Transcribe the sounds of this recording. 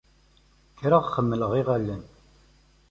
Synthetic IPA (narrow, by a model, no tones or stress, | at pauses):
kːɾaʁχəmːələʁiʁælːən